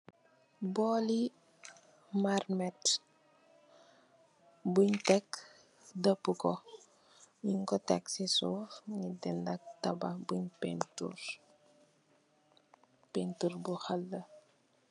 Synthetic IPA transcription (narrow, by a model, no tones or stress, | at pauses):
bɔːli | marmɛt | buɲtɛkː | dəpːukɔ | jiŋkɔtɛksisuɲidindɐk̚tɐbabuɲpɛntṵɾ | pentuɾbuxalːə